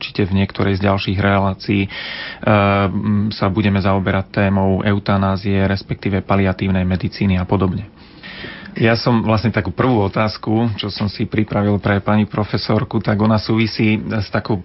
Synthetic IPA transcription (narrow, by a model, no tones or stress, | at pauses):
uɾt͡ʃi̥cɛvɲɪɛkt̪ɔɾʔɛjzɟalʃiːɣɾɛlaːt͡siː | sabuɟɛmɛzaɔbɛɾac̚t̪ːɛːmɔʊɛʊt̪anaːziɛɾɛspɛk̚t̪iːʋɛpaliat̪iːʊnɛjmɛd̪it͡siːniapɔd̪ɔbɲɛ | jasɔmʋlasɲɛt̪akuːpr̩ʋuːɔt̪aːskut͡ʃɔsɔmsipɾipɾaʋilpɾɛpaɲipɾɔfɛsɔɾkut̪aɡɔnasuːʋisiːst̪akɔʊ